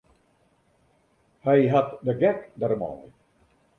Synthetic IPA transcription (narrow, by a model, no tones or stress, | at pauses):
hɛjɦatdəɡɛkdərma̰j